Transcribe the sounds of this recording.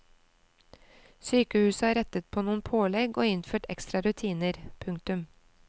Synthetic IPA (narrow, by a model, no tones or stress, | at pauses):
syːkəhʉːsəɑːɾɛt̪ət̪̚pʰoːnuːnpʰoːlɛɡoːɪnføːʈɛ̰kst̪ɾɑɾʉt̪ʰiːnəɾpʰʉŋkt̪ʉm